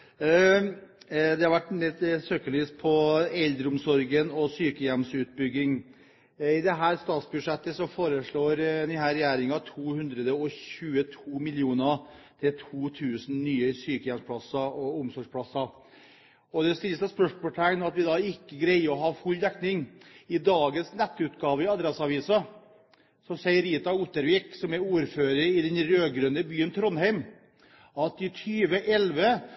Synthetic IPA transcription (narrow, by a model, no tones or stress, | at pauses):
d̪ɛhɑɾʋæʈːɛnd̪ɛsøːkəɭiːspʰɔɛld̪ɾəʊmsɔɾɡənɔsyːkəjɛmsʉːt̪̚bʏɡːɪŋ | ɪd̪ɛɦæːɾst̪ɑːt̪sbʉd̪ʂɛt̪ːəsɔfoːɾəʂɭoːɾnɪɦæːɾɛjæːɾɪŋɑt̪ʰuːhʉnd̪ɾəd̪əɔçʉːət̪ʰuːmɪlɪuːnət̪ʰɪlt̪ʰuːt̪ʰʉːsn̩nyːəsyːkəjɛmspʰɽɑsɑɔʊmsɔʂpʰɽɑsɑ | ɔd̪ɛst̪ɪlsɑspœʂmɔʈ̪ʰæŋnɑt̪ʋɪd̪ɑːɪkːəɡɾæɪɔɦɑfʉlːd̪ɛknɪŋɪd̪ɑːɡənsnɛt̪ːəʉːt̪ɡɑːʋəɪɑd̪ɾɛsɑʋiːsə | sɔsɛɪəɾiːt̪ɑut̪əɾʋiːksɔmɛuːɾføːɾəɪd̪ɛnɾøːɡɾœnəbyːənt̪ʰɾɔnhæɪm | ɑt̪ɪt̪ʰyːʋəʔɛlʋə